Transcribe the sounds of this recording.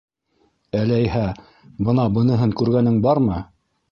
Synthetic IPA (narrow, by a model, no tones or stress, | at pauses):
ælææjhæ | bɤ̆nɑbɤ̆nɤ̆ɦɤŋkʉɾɡænɘŋbɑɾmɤ